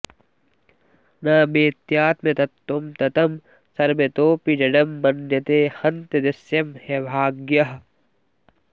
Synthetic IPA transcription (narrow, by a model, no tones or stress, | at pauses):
naːmeːt̪jaːt̪met̪ɐt̪ːomt̪ɐt̪ɐm | sɐɾmet̪oːpid͡ʒɐɖɐmːɐnjɐt̪eːhɐnt̪ed̪ɐsjɐmhebʱaːɡjɐɦ